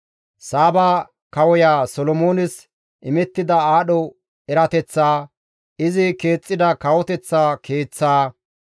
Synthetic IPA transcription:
saːbaː | kɐwɔjaːsɔlɔmoːnɪs | ʔɪmɛt̪ːɪd̪ɐaːɗɔ | ɛɾɐt̪ɛt͡sːaː | ɪzɪke̞ːt͡sʼːɪd̪ɐkɐwɔt̪ɛt͡sːaːkʰe̞ːt͡sːaː

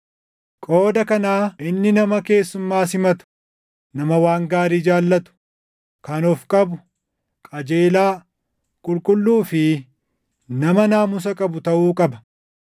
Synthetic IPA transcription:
kʼo̞ːd̪ɐkɐnaːɪnːɪnɐmɐke̞ːsːʊmːaːsɪmɐt̪ʊ̥ | nɐmɐwaːŋɡaːɾiːd͡ʒaːlːɐt̪ʊ̥ | kɐnɔfkʼɐbʊ | kʼɐd͡ʒe̞ːlaː | kʼʊlkʼʊlːuːfɪ | nɐmɐnaːmʊs̬ɐkʼɐbʊt̪ɐʔuːkʼɐbɐ̥

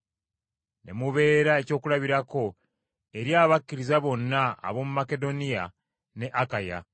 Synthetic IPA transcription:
ne̞̰muβe̞ːɾae̞co̞ːkulaβiɾako̞ | e̞ɾjaːβakːiɾizaβo̞nːa̰ːβo̞mumake̞do̞nija | ne̞ʔakaja̰

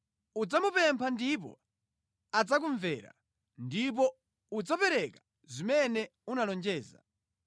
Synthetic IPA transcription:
ud͡zamupɛmpʰandip̬ɔ̰ | ad͡zak̬uɱvɛːɾa̰ | ndip̬ɔ | ud͡zapɛɾɛkḁ | zimɛnɛunalɔnd͡ʒɛːza̰

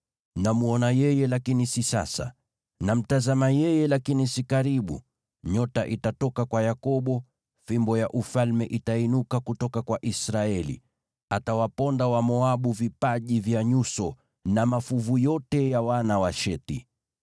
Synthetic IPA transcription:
namuɔnajɛjɛlakinisisa̰sa̰ | nam̩tazamajɛjɛlakinisikaɾiɓṵ | ɲɔtaʔitatɔkakwajakɔɓɔ | fimbɔjaʔufalmɛʔitainukakutɔkakwaʔisɾaɛlḭ | atawapɔndawamɔaɓuvipaʄivjaɲusɔ | namafuvujɔtɛjawanawaʃɛti

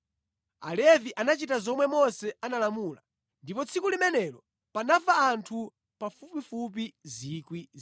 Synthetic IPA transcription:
a̰lɛviʔanat͡ʃitazɔmwɛmɔsɛanalamula | ndipɔt͡sʰikulimɛnɛlɔ | panafaːntʰu | pafupifup̬izikwi

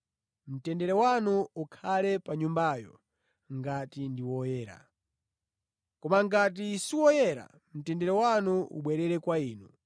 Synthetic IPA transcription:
m̩tɛndɛɾɛwanuukʰalɛpaɲumbajɔ̰ | ŋɡatindiwɔjɛːɾa̰ | kɔmaŋɡat̬isiwɔjɛɾa̰ | m̩tɛndɛɾɛwanuṵɓwɛɾɛɾɛkwaiːnu

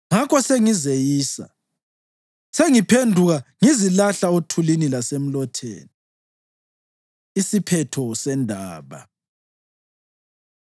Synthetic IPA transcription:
ŋakʰɔseŋizejiːsa̰ | seŋipʰendʱuɣaŋizilaɬaotʰulinilasem̩lɔtʰḛːni | isipʰɛtʰɔsɛndʱaːβa̰

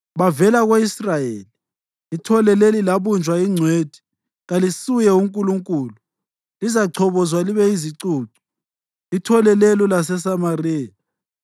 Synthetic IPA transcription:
βavɛlaɣweisrajeːli | itʰɔlɛlelilaβund͡ʒʱwaiŋ͡ǀʱweːd̥ʱi̥ | ɣalisujɛuŋkʼuluŋkʼuːlu | lizaǀʰɔβɔzwaliβɛiziǀuːǀu̥ | itʰɔlɛlɛlɔlasɛs̬amarɛːla

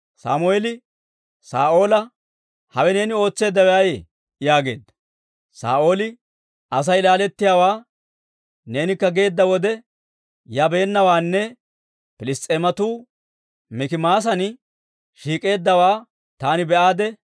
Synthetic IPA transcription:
sa̰ːmʊeːlɪ | sa̰ːʔo̞ːlɐ | hɐwɛne̞ːnɪo̞ːt͡sːe̞ːd̪ːɐwɛajḛ | jaːɡe̞̰ːd̪ːɐ̥ | sa̰ːʔo̞ːlɪ | ɐs̬ɐjlaːlɛt̪ːɪjaːwaː | ne̞ːnɪkːɐɡe̞ːd̪ːɐwɔd̪ɛ | jɐbe̞ːnːɐwaːnːɛ | pɪlɪst̪ʼemɐt̪uː | mɪkɪmaːs̬ɐn | ʃiːkʼe̞ːd̪ːɐwaː | t̪aːnɪbɛʔaːd̪ɛ

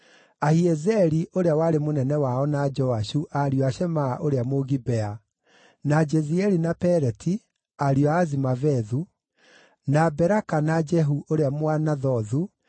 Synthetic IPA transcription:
ahiɛzɛɾiʔoɾeawaɾemonɛnɛwaɔnad͡ʒɔaʃuʔaɾjɔaɕɛmaːʔoɾeamoɣibɛa | nad͡ʒɛziɛɾinapɛɾɛtʰi | aɾiɔaazimavɛðu | nabɛɾakanad͡ʒɛɦuʔoɾeamwanaðɔðu

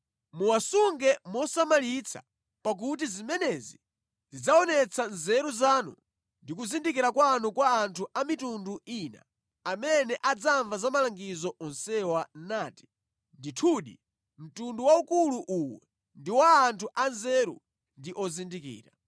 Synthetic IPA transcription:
muwasuŋɡɛmɔsamalit͡sʰa̰ | pak̬utizimɛnɛzi | zid͡zaɔnɛt͡sʰanzɛɾuzaːnṵ | ndik̬uzindikiɾakwanukwaːntʰuamitunduiːna̰ | amɛnɛʔad͡zaɱvazamalaŋɡizɔʔɔnsɛwanaːti̥ | nditʰuːɗḭ | m̩tunduwaukuluʔuwɛ̰ | ndiwaːntʰuʔanzɛɾṵ | ndiʔɔzindikḭːɾa

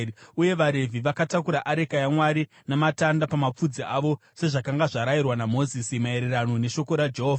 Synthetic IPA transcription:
uje̞ʋaɾe̞vʱiʋakatakuɾaʔaɾe̞kajamwaɾi | namatandapamap͡fud͡ziaʋo̞ | se̞ʐakaŋɡaʐaɾajirwanamo̞zisimae̞ɾerano̞ne̞ʃo̞ko̞ɾad͡ʒeɦoːva

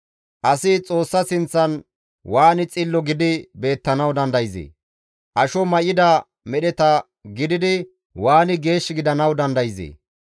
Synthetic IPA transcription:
ʔɐsɪt͡sʼo̞ːsːɐsɪnt͡sːɐn | waːnɪt͡sʼɪlːɔɡɪd̪ɪbe̞ːt̪ːɐnɐwd̪ɐnd̪ɐjzḛː | ʔɐʃɔmɐjɪd̪ɐ | mɛɗɛt̪ɐ | ɡɪd̪ɪd̪ɪ | waːnɪɡe̞ːʃːɪɡɪd̪ɐnɐwd̪ɐnd̪ɐjɪzḛː

